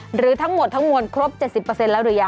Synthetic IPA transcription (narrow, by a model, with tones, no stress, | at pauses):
ɾɯː˩˦t̪ʰa˦˥ŋmo˨˩t̪ʰːa˦˥ŋmo˧nkʰɾo˦˥p̚t͡ɕe˨˩t̪̚si˨˩pːə˧se˧nlɛː˦˥wɾɯː˩˦jaː˧˨˩